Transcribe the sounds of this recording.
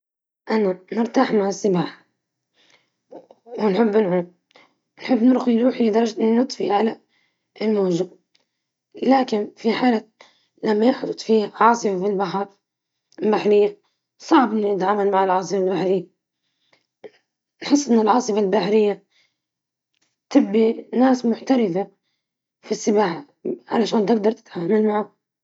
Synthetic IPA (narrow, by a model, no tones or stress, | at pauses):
ʔananɪɾt̪aːħmaʕɪsːɪbaːħ | wɪnħɪbːɪnʕu | nħɪbːnɪɾxijɾuːħlid̪ɑɾˤɑd͡ʒnɨt̪ˤfḭʕala | lmaːʒɪb | laːkɪnfiħaːla | lamːajɪħd̪ˤʊt̪ˤfiːhaʕɑːsˤɨfafilbaħɑɾ | lbaħɾɪjːa | sˤɑʕbʔɪnːʊjɪt̪ʕaːmalmaʕɪlʕɑːs̬ˤɨfalbaħɾɪjːa | nħɪsˤːʔɪnːɪlʕɑːsˤɨfalbaħɾɪjːa | t̪ɪbːinaːsmʊħt̪aɾɪθa | fisːɪbaːħ | ʕa̰laʃaːnt̪ɪɡd̪ɑɾˤt̪ɪ̥t̪ʕaːmalmaʕa